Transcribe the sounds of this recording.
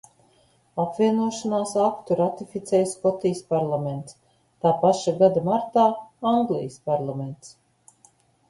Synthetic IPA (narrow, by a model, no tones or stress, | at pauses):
apvʲiɛnuɔʃanaːsakt̪uɾat̪ifit̪sʲɛjskɔt̪ijspaɾlˠamɛnt̪s | t̪aːpaʃaɡad̪amaɾt̪aːaŋɡlˠijspaɾlˠament̪s